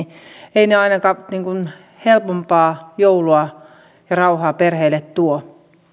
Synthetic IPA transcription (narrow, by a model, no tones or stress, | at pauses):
eineɑinɑkɑniːŋkun | helpompɑːjouluɑ | jɑrɑuhɑːperheːlet̪t̪uo